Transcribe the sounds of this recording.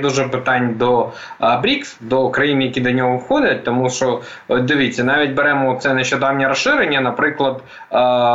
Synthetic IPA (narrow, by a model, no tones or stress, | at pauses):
d̪uʒɛpɪt̪ɑnʲd̪ɔ | bɾʲiksd̪ɔʊkɾɐjinjɐkʲid̪ɐnʲɔɦɔwxɔdʲɐt̚ʲt̪ɔmuʃɔ | ɔt̪̚ʲd̪ɪʋʲit͡sʲːɐnɑʋʲitʲbɛɾɛmɔɔt̪sɛnɐɕːʊd̪ɑwnʲɐɾɐsɪɾenʲːɐnɐpɾɪklˠɐd̪